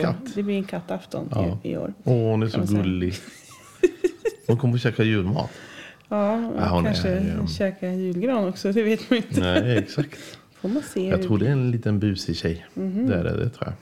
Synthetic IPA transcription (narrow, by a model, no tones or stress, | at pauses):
kʰat̪ːd̪ɛblɪɾɛnkʰat̪ːaft̪ɔ̰nɑ̰ɪ̰o̰ːɾɔhʊnæɾʂɔɡɵlːɪ | hʊnkʰɔmːəɾɔɕɛːkajʉ̟ːlmɑ̰ːt̪ | ɑːahʊkanʂəɕɛːkajʉ̟ːlɡɾɑːnɔksɔd̪ɛveːt̪manɪnt̪əɛɛksakt̪ | foːmanseːjɑɾuːdɛɛɾɛnliːt̪ənbʉ̟ːsɪɕɛj̩hd̪ɛæ̰ɖɛ̰d̪ɛ̰t̪ʰɾuːja̰